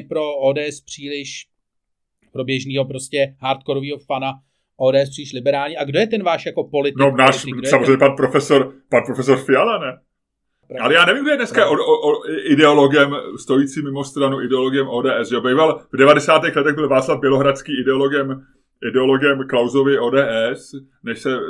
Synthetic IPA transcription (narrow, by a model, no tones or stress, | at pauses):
pɾooːdɛːɛspr̥iːlɪʃ | pɾo̞bjɛʒniːɦopɾoscɛɦaɾt̪koɾoviːɦofana | ʔoːdɛːɛspr̥iːlɪʃlɪbɛɾaːlɲiːʔaɡdojɛt̪ɛnvaːʃjako̞po̞lɪt̪nonaːʃssamozrejɲɛpanpɾofɛsoɾpanpɾofɛsoɾfɪalanɛ | alɛjaːnɛviːmɡdojɛdnɛskaʔooʔoʔɪdɛo̞lo̞ɡɛmst̪o̞jiːt͡siːmɪmo̞st̪ɾanuʔɪdɛoloɡɪjɛmʔoːdɛːʔɛsʒɛobɛjvalvdɛvadɛsaːt̪ɛxlɛt̪ɛɣbɪlvaːt͡slavbjɛlo̞ɦɾat͡skiːɪdɛo̞lo̞ɡɛm | ʔɪdɛo̞lo̞ɡɛmklawzo̞vɪʔoːdɛːʔɛs | nɛʃsɛ